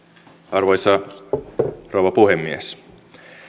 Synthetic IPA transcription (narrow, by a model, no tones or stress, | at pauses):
ɑrʋojsɑ | rowʋɑpuhemːies